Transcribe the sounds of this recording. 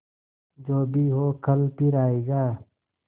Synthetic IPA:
d͡ʒoːbʱiɦoːkʰəlpiɾaːeːɡaː

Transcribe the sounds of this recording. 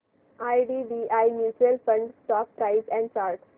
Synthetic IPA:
ajɖiːɖiːʔajnjuːt͡ʃɾiəlfə̃ɳɖsʈɔːk̚pɾaɪzɛ̃ɳɖ̚t͡ʃaːɾʈ

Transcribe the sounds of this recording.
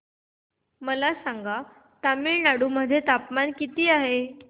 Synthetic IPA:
məlasãŋɡa | t̪amiɭnaɽuːməd̪ʱjet̪apmankit̪iːaɦe

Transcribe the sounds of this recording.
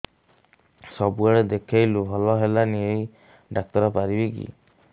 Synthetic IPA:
sɔbuaɽed̪ekʰajlubʱɔlɔɦelaniej | ɖak̚t̪ɔɾɔpaɾibikḭ

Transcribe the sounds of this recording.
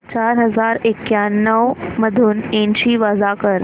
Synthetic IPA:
t͡ɕaɾɦəd͡zaɾekːjanːəʋməd̪ʱuːnẽnɕiːʋəd͡zakəɾ

